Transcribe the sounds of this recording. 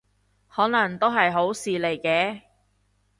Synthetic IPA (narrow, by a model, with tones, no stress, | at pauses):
hɔː˨˥nɐ˨˩ŋt̪o˥wɦɐ˨jɦo˨˥wsiː˨le˨˩jkɛː˧˥